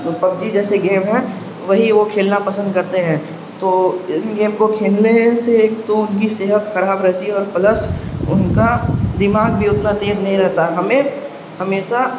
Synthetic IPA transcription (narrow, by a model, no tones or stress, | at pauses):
pɐb̚d͡ʒid͡ʒɛːseɡẽːmɦɛ̃ | ʋɐɦiʋokʰeːlnapɐsə̃nd̪̚kɐɾt̪eɦɛ̃ː | t̪oːɪnɡẽːmkokʰeːlneseːk̚t̪oʊnkiseːɦət̪xɐɾaːbɾɛɦt̪iɦɛɔːɾpɐləsʊnkad̪ɪmaːɡ̚bʱiʊt̪nat̪eːznɐɦĩɾɛɦt̪aɦɛɦɐmẽ | hɐmeːʃa